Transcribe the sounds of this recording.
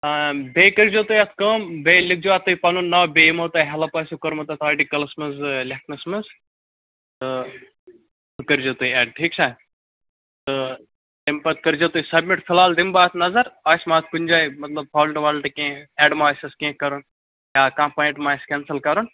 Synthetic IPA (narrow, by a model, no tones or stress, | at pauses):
abeːkəɾd͡ʒoːt̪ojɐt̪ʰkəːmbeːlik̚d͡ʒoat̪ːuːipɐnunːaːwbeimɐːt̪ɐːɦɐlɐpɐːsukɐɾmɐt̪ɐt̪ʰaːʈikɐlɐsmɐzlʲek̚ʰnɐsmɨz | t̪ɨ | t̪ʰɨkəɾd͡ʒot̪uːiɛːɖʈʰiːk̚t͡ʃʰaː | t̪ɨ | t̪empɐt̪̚kɐɾd͡ʒoːt̪oːisɐbmiʈfʰɪlaːld̪imbaːt̪ʰnɐzɐɾaːsmaːt̪̚ʰkunʲd͡ʒaːimɐt̪lɐb̚paːlʈʋaːlʈkẽːɛːɖmaːsɐskẽːkɐɾun | jaːkãːmpaːĩʈmaːskʲɛːnsəlkɐɾun